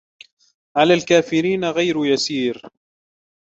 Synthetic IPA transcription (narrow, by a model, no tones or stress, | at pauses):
ʕalaːlkaːfɪɾiːnaɣajɾjasiːɾ